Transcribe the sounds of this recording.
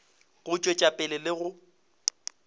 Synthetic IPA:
ɣʊt͡ʃʼwet͡ʃʼapʼɪlɪlɪɣʊ

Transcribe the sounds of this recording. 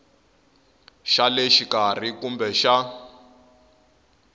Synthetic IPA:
ʃaleʃikar̤ikumbɛʃa

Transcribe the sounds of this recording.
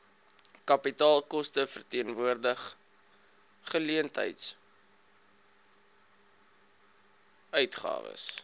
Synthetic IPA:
kɐpitɑːlˠkɔstəfərtiənvuərdəχ | χəliəntɦə̰jts | œɥtχɑ̰ːvə̰s

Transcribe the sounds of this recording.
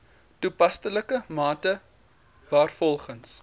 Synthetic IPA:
tupɐstələkəmɑːtə | vɑːrfɔlˠχəns

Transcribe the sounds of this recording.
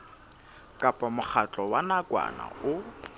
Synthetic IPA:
kʼapʼamʊk͡xʰat͡ɬʼɔwanakʼwa̰na̰ʊ

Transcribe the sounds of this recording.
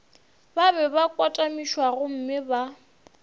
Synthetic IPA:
babɛbakʼwatʼamiʃwaɣʊm̩mɪba

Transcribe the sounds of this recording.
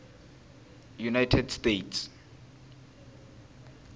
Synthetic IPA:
junajtʰɛdstetʰs

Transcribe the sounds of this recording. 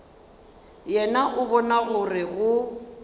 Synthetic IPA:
jɛnaʔʊbɔnaɣʊrɪɣʊ

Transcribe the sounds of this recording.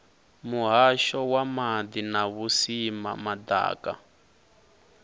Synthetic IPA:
muɦaʃɔwamad̪inaβusima̰mad̪a̰ːka̰

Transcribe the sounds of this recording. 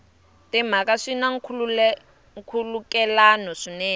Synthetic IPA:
tʼɛm̤akaʂinaŋ̩kʰ | ŋ̩kʰulukɛlanɔʂinɛː

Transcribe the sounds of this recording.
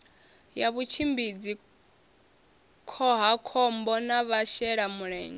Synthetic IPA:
jaβut͡ʃʰimbid͡zi | kʰɔɦakʰɔmbɔnaβaʃɛɺamuɺɛ̰ːɲɛ

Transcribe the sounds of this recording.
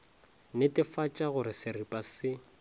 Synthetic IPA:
nɪtʼɪfat͡ʃʼaɣʊɾɪsɪripʼasɪ

